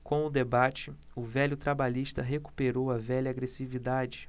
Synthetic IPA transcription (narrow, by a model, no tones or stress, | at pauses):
kõw̃ʊd̪ebat͡ʃɪ | ʊvɛʎʊt̪ɾabaʎiʃt̪ɐɦeku̥peɾowɐvɛʎɐaɡɾesivid̪ad͡ʒɪ